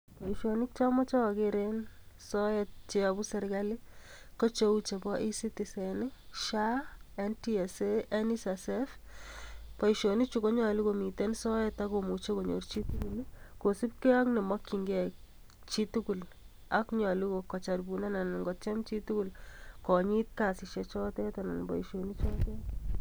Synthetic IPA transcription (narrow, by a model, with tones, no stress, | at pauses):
pa˨iʃoni˦k̚t͡ʃa˦mɔ˦t͡ʃa˦wakeɾensɔ˦jɛt̚t͡ʃe˦abu˦sɛ˨ɾɡa˦li˦kɔ˦t͡ʃo˦ut͡ʃe˨bɔ˦ʔi˦si˦tisɛ˨nɪ˦ʃa˦ɛntiɛseɛ˦nisasɛf | pɔ˨jʃoni˦t͡ʃu˦ko˦ɲa˨lu˦komi˨tɛnsɔ˦ɛtakomu˨t͡ʃe˦ko˨ɲo̰rt͡ʃi˦tukulkosi˦pkɛ˦a˦knɛ˨ma˦kːi˨ŋɡɛ˦k̚ | t͡ʃi˦tu˦ku˨l | akɲa˨luko˨kɔ˨t͡ʃa˨rbuna˦na˨nŋɡɔtt͡ʃɛ˦mt͡ʃi˦tukulkɔ˨ɲi˦t̚ka˨siʃet͡ʃɔ˦tɛ˦tana˨nbɔ̰˨iʃoni˦t͡ʃɔ˦tɛ